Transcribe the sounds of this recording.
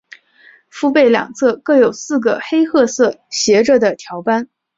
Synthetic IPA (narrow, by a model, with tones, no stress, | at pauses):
fu˥pe˥˩ɪljɑ̰˨˩ŋt͡sʰɤ˥˧kɤ˥˩jo˨˩ʊsɹ̩˥˩ɡə˩xe˥ɪxɤ˥˧sɤ˥˩ɕjɛ˧˥ʈ͡ʂə˥˩d̪ə˩t̪ʰjɑ˧˥ʊpa˥n